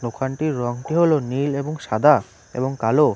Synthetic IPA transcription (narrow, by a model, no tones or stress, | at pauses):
nokʰaɳʈiɾːɔŋʈiɦolonileboŋʃad̪ʱa | ḛboŋkalo